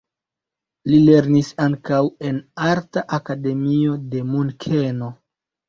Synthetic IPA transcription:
lile̞ɾnisaŋkawe̞naɾtaʔakade̞mio̞de̞munkʰeno̞

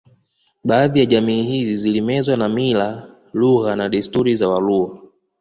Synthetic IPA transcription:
ɓaːðijaʄamiːhizizilimɛzwanamila | luɣanaɗistuɾizawalua

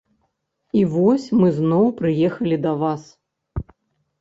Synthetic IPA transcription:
ivɔsʲmɨznɔwpɾɨjɛxɐlʲid̪ɐvas

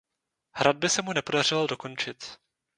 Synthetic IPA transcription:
hɾad̪̚bɪsɛmunɛpo̞dar̝ɪldo̞ko̞nt͡ʃɪt̪

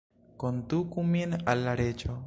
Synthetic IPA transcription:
kondukuminalːaɾet͡ʃo

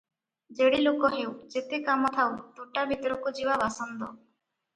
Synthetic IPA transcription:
d͡ʒeɽilokɔɦewd͡ʒet̪ekamɔt̪ʰawt̪uʈabʱit̪ɔɾɔkud͡ʒiwabasɔnd̪ɔ̰

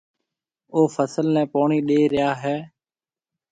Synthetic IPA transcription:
oːfʰəsəlnɛ̃ːpoːɳiːɗeːɾɪjaːɦɛː

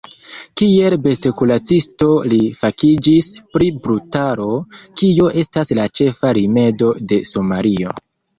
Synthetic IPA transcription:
kie̞lbe̞stekulat͡sisto̞lifakid͡ʒispɾibɾutaɾo̞kio̞ʔe̞staslat͡ʃe̞faɾime̞do̞de̞somaɾio̞

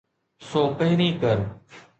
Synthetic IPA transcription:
soːpəɦɪɾiːkəɾ

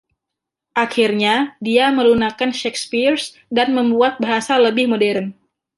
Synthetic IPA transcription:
ʔaxirɲadiaməlunakanʃɛkspirs | danməmbuat̪̚baɦasaləbɪhmodɛɾən

